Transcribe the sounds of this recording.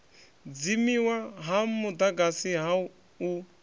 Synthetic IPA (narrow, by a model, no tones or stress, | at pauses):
d͡zimiwaɦamud̪aɡasiɦa | u